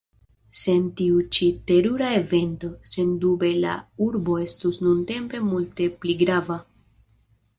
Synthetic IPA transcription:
se̞ntiut͡ʃite̞ɾuɾaeve̞nto̞se̞ndube̞la̰uɾbo̞e̞stusnunte̞mpe̞multe̞pliɡɾava

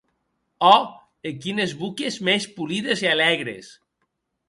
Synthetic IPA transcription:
ɔ | ekinezβukezmespuliðezialɛɣɾḛs

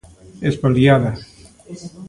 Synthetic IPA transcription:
espoljaða

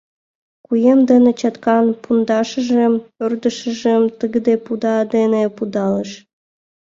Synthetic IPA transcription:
kujemd̪ə̆nĕt͡ɕɑt̪kɑnpund̪ɑʃə̆ʒĕmørd̪əʃə̆ʒəmt̪əɡəd̪epud̪ɑd̪enepud̪ɑləʃ

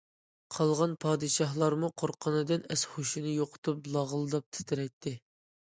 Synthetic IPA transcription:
qʰɑlˠʁɑnpʰɑːd̪ɨʃɑɦlˠɑɾmuqʰoɾqʰənɨd̪ɨnɛsχoʃunɨjoqʰʊ̥t̪ʰup̚lˠɑʁəlˠɨd̪ɑp̚t̪ʰɪ̥t̪ʰɪɾɛt̪ʰːɪ

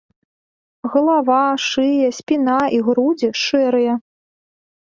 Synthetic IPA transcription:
ɣɐlˠavaʂɨjɐsʲpʲinaiɣɾud͡zʲiʂɛɾɨjɐ

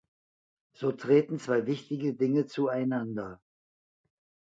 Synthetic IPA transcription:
z̥oːtʁ̥eːtn̩t͡sv̥aɪvɪçtɪɡədɪŋət͡suaɪnandɐ

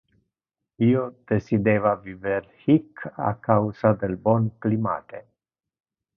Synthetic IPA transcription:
iːod̪̥esid̪eːvaviveɾhikʰa̰kawsad̪elbɔnklima̰ːt̪e

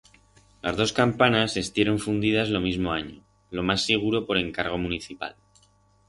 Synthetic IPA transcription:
lazðo̞skampanase̞st̪je̞ɾo̞ɱfund̪iðazlo̞mizmo̞aɲo̞ | lo̞masːeɣ̞uɾo̞po̞ɾe̞ŋkaɾɣ̞o̞muniθipa̰l

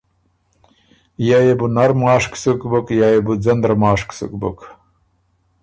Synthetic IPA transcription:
jajebunaɾmaːʂksukbukjajebud͡zɐnd̪ɾmaːʂksṵkbṵk

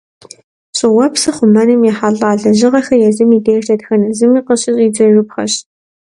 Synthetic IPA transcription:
ɕʼɪwɐpsɨχʷʊmɐnɨmjɛħaɮaːɮɐʑɪʁɐxɐjɛzɨmiːdeːrɬɐtxɐnɐzɨmiːqəɕʼɪzʼiːd͡zɐrɨpxɐ̰ɕ

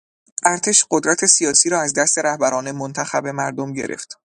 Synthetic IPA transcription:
ʔæɾt̪ʰe̞ʃɢ̥od̪ɾæt̪ʰe̞sijɒːsiːɾɒːæzd̪æst̪e̞ɾæhbæɾɒːne̞mont̪ʰæxæbe̞mæɾd̪omɟe̞̰ɾʔḛft̪

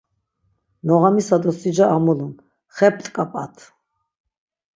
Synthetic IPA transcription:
nɔʁamisad̪ɔsid͡ʒaamɔlun | χɛpʰt̪ʼkʼapʼa̰t̪ʰ

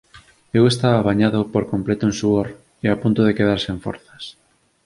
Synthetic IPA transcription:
ewest̪aβaːβaɲaðopoɾkomplet̪oẽnsuoɾ | eapunt̪oðekeðaɾseɱfɔ̰ɾθḁs

